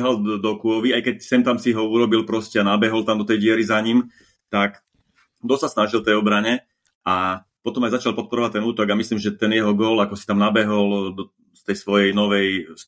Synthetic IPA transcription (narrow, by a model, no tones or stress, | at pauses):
ɦɔld̪ɔkuɔʋiajkɛcsɛmt̪amsiɦɔuɾɔbilpɾɔscɛanabɛɦɔlt̪amd̪ɔt̪ɛjɪɛɾizaɲim | t̪ak | d̪ɔsasnaʒilt̪ɛjɔbɾaɲɛ | a | pɔt̪ɔmajzat͡ʃalpɔt̪̚pɔɾɔʋac̚t̪ɛnuːt̪ɔɡamislimʒɛt̪ɛnjɛɦɔɡɔːlakɔsi̥t̪amnabɛɦɔld̪ɔ | st̪ɛjsʋɔjɛjnɔʋɛjs